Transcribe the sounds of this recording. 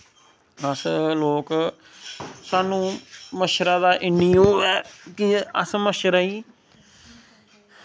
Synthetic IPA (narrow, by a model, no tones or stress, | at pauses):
əsloːk | saːnũːməʃɾaːd̪aːʔɪnijoːɛːkɪə̰sməʃɾaːiː